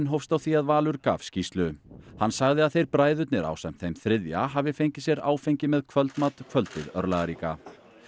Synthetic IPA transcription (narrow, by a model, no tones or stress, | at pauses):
nɦowfst̪awθiaðvaːlʏɾka̰ːfscist̪lʏhanːsaɣðɪaðθejɾpɾaːjðʏt̪nɛɾa̰ːwsam̥t̪θejmθɾɪðja̰ɦaːvɪfejɲcɪ̥sjɛɾa̰ːwfejɲcɪmɛðkʰvœlt̪mat̪kʰvœlt̪ɪ̰ðœɾlaɣaɾiːka̰